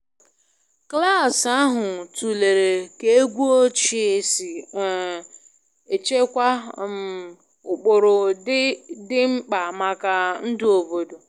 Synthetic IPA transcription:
kla˦˨sa˦ɦʊ˨tu˨le˨ɾe˨ke˦e˦ɡʷu˦o˦t͡ʃi˦e˨si˨ | e˨t͡ʃe˦kʷa˦m̩˨ | ʊ˨k͡pʊ˨ɾʊ˨˦ | dɪ˦ŋ͡m̩˦k͡pa˨ma˨ka˨n̩˦dʊ˦o˨bo˨do˨

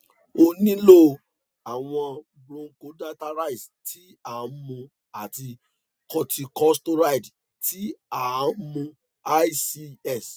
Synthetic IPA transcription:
o˧nĩ˦lo˦˨ | a˨w̃ɔ̃˧ | bɾũ˧ŋ̩˦˨ko˨˦da˦ta˧ɾa˦i˨s | tʰi˨˦a˨˦mũ˧ | a˨ti˧ | kɔ˧ti˧kɔ˦sto˦ɾa˦i˨d | ti˨˦a˨˦mũ˧ | a˦si˧ɛ˦˨s

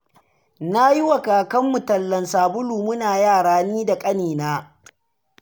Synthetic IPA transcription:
na˦ji˦wɐ˨kaː˨kɐ˦mːʊ˨tɐ˨lːɐ˨nsaː˨bʊ˦luː˨mʊ˦naː˨jaː˦˨ɽaː˦niː˦da˨kʼɐ˦niː˨naː˦

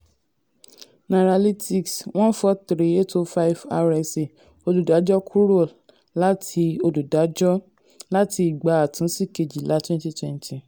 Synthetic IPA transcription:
nã˨ɾa˨li˦ti˨ksw̃ɔ̃˦n̩˦fɔ˦tɾi˨˦e˦˨to˧˦fa˦i˨va˧ɾɛ˧se˨ | o˧du˨da˨˦d͡ʒɔ˦kʰu˦ɾo˦˨l | la˦ti˧o˧du˨da˨˦d͡ʒɔ˦ | la˦tʰi˧i˨ɡ͡ba˨˦a˨tũ˨˦si˦˨ke˧d͡ʒi˨lʔa˨˦twɛ̃˦n˦ti˦twɛ̃˧n˦tʰi˨

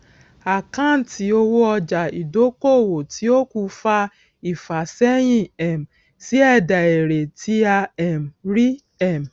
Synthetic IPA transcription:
a˨kã˦˨n̩˦ti˧o˦wo˦ɔ˧d͡ʒa˨i˨do˦ko˦˨wo˨ti˨˦o˦ku˧fa˧ | i˨fa˨sɛ˦j̃ĩ˦˨ɛ˨m̩˨ | si˦ɛ˦˨da˨e˨ɾe˨tʰi˦a˧ɛ˨m̩˨ɾi˦ | ɛ˦˨m̩˨

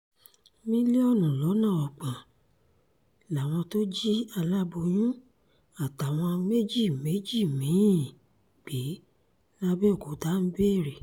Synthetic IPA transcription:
mĩ˦le˦ɔ˦˨nũ˨lɔ˨˦nã˦˨ɔ˨k͡pã˨ | la˨w̃ɔ̃˧to˦d͡ʒi˦a˧la˦bo˧j̃ũ˦ | a˦˨ta˨w̃ɔ̃˧me˦d͡ʒi˦˨me˨˦d͡ʒi˦˨mĩ˨˦ĩ˦˨ | k͡pe˨˦ | la˦bɛ˦˨ko˨˦da˨˦m̩˦be˦˨ɾe˨

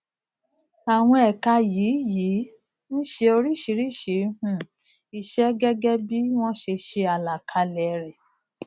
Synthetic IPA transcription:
a˨w̃ɔ̃˧ɛ˨ka˧jiː˨˦ji˨˦ | ñ̩˦ʃe˧o˧ɾi˦˨ʃi˧˦ɾi˦˨ʃe˨˦hũ˦˨ | i˨ʃɛ˦ɡɛ˦ɡɛ˦bi˦w̃ɔ̃˦ʃe˧ʃe˧a˨la˨kʰa˧lɛ˨ɾɛ˨

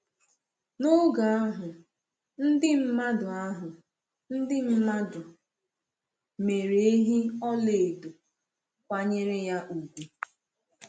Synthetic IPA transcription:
nʊ˦ɡa˨a˦ɦʊ˨ | n̩˦dɪ˦m̩˦ma˦dʊ˨a˦ɦʊ˨ | n̩˦dɪ˦m̩˦ma˦dʊ˨ | me˨ɾe˨e˦ɦi˦ɔ˦le˨do˨ | kʷa˦ɲe˦ɾɪ˦ja˦ʔu˨ɡʷu˨

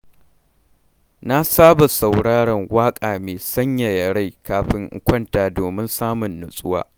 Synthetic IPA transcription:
na˦saː˦ba˨sa˨wɽaː˦ɽɐ˨ŋwaː˦kʼaː˨meː˨sɐ˦ɲja˨jɐ˨ɽa˦jkaː˨ɸɪ˦ŋʔkʷɐ˦ntaː˨doː˨mɪ˦nsaː˦mʊ˨nːʊ˨sʼʊ˦wa̰ː˦

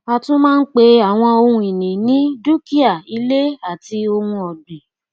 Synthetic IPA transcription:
a˧tũ˦mãː˦˧n̩˦k͡pe˧a˨w̃ɔ̃˧o˧hũ˧i˨nĩ˨nĩ˨˦du˦ki˦a˦˨i˧le˦a˦˨ti˧o˧hũ˧ɔ˨dẽ˨

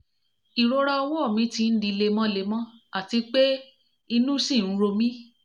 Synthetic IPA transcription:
i˨ɾo˧ɾa˧ɔ˧wɔ˦˨mĩ˨˦tĩ˧n̩˦di˧le˧mɔ̃˦le˧˦mɔ̃˦a˦˨ti˧k͡pe˦ | i˧nũ˦sĩ˦˨n̩˦ɾo˧mĩ˦

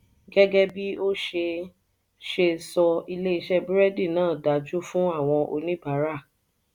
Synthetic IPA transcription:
ɡɛ˦ɡɛ˦bi˦o˦ʃe˧ | ʃe˧sɔ˧i˧le˦i˧ʃɛ˦bɾɛ˦di˦˨nãː˦˨da˨d͡ʒu˦fũ˦a˦˨w̃ɔ̃˧ʔo̰˧nĩ˦ba˨˦ɾa˦˨

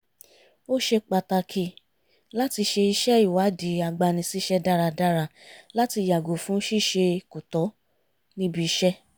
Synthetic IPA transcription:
o˦ʃe˧k͡pa˧ta˧kʰi˧ | la˦ti˧ʃe˧i˧ʃɛ˦i˦˨wa˨˦di˨˦a˧ɡ͡ba˧nĩ˧si˦ʃɛ˦da˦ɾa˧da˦ɾa˧la˦ti˧ja˨ɡo˨fũ˨˦ʃi˦˨ʃe˧ku˨tɔ˨˦ | nĩ˦bi˧i˧˦ʃɛ˦

